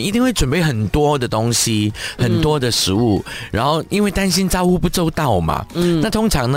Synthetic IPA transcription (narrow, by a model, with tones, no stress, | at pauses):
i˥˧t̪i˥˧ŋwe˥˩ɪʈ͡ʂwə˨˩npe˥˩ɪxə˨˩nt̪wɔ˥d̪ə˨t̪ʊ˥ŋɕi˧˦hə˨˩nt̪wɔ˥d̪ə˨ʂɻ̩˧˦u˥˩ɻa̰˧˥nxo˥˩ʊi˥nwe˥˩ɪt̪a˥nɕi˥nt͡sɑ˥ʊxu˥˧pu˥˩t͡so˥ʊt̪ɑ˥˩ʊma̰˩na˥˩t̪ʰʊ˥ŋʈ͡ʂʰɑ˧˥ŋnə˧